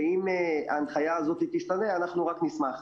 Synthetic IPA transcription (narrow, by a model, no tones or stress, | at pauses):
ima̰ːnχajaːzo̞t̪it̪iʃt̪aneanaχnuʁaknismaχ